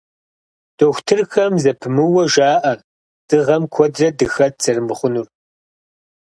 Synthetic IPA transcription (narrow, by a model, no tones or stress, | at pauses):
d̥oxʷtʰɨrxɐmzɐpʰɨmɨwɐʒaːʔɐ | d̥ɨʁɐmkʷʰɔdrɐdɨxɐd̚z̥ɐrɨmɨχʷʊnur